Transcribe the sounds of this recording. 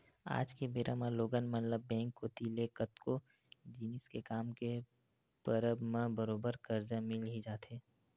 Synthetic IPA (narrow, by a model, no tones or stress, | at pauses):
a̰ːd͡ʒkebeːɾʔamãloːɡənmənləbːɛ̃ːŋkːoːt̪ilekət̪ko | d͡ʒiːnɪskekaːmke | pəɾəbmãbəɾoːbəɾkəɾd͡ʒamɪlɦid͡ʒaːt̪ɦeː